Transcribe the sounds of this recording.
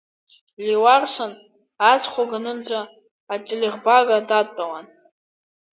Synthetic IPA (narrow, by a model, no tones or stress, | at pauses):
liwarʂan | at͡sʰχʷaɡanɨnd͡zʷaː | tʼelʲeʁbaɡadatʼawan